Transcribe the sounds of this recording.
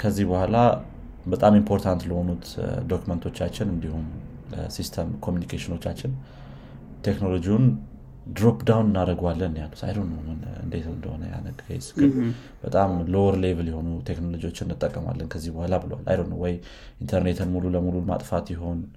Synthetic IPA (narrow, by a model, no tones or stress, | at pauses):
kʰəzːihbəhʷala | bət̪ʼamimpʰo̞ɾt̪ʰant̪ləho̞nut̪d̪o̞kumənt̪ʰot͡ʃːat͡ʃːɪnɨnd̪ihum | sist̪ʰəmkʰomjunikʰeʃɪno̞t͡ʃːat͡ʃːɪn | t̪ʰe̞knolo̞d͡ʒiwun | d̪ɾopd̪awnɨnːaɾəɡalːənːjalːut̪a̰jdonːəwmɨnɨ̰nd̪e̞t̪ɨnd̪əhonə̰ja̰nəɡə̰jsɨ̥ɡɨl | b̥ət̪ʼamlowɾlevəljɛho̞nut̪ʰe̞kno̞lo̞d͡ʒiwo̞t͡ʃːɪnːɨt̪ʼːəkʼːəma̰lːənkʰəzːihbəhʷalabɨləwa̰lːʔa̰jdonːəwɔj | ʔint̪ʰəɾne̞t̪ʰɨnmululəmululma̰t̪ʼfat̪jɪɦo̞n